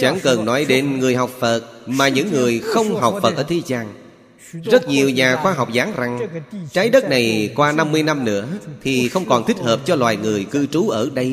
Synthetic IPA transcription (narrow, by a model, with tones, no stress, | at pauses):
t͡ɕa˧˩ŋkə˨˩nnɔ˨˦jɗe˨˦nŋɨ˨˩əjɦa˨˩wk͡p̚fə˨˩t̚maː˨˩ɲɨ̰˧˥ŋːɨ˨˩əjxə˧wŋ͡mɦa˨˩wk͡p̚fə˨˩t̚ʔəː˧˩t̪ʰi˨˦zaː˧ŋ | zə˦˥t̚ɲi˨˩əwɲaː˨˩xwaː˧ɦa˨˩wk͡p̚zaː˨˦nza˨˩ŋt͡ɕaː˨˦jɗə˦˥t̚na˨˩jkwaː˧na˧mːɨ˧əjna˧mnɨ̰˧˥ət̪ʰi˨˩xə˧wŋ͡mkɔ˨˩nt̪ï˦˥k̟̚həː˨˩p̚t͡ɕɔ˧lwaː˨˩jŋɨ˨˩əjkɨ˧t͡ɕu˨˦ʔəː˧˩ɗə˧j